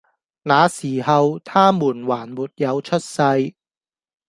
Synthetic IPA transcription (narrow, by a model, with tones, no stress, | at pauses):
naː˨˧siː˨˩hɐ˨wt̪ʰaː˥muː˨˩nwaː˨˩nmuː˨t̚jɐ˨˧wt͡ʃʰɵ˥t̚sɐ˧j